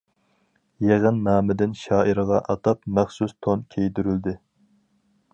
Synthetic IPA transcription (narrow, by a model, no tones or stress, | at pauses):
jeʁənmɑːmɪd̪ɪnʃɑːʔiɾəʁɑʔɑt̪ɑpmæχsust̪ʰonkʲʰejd̪yɾyld̪ɪ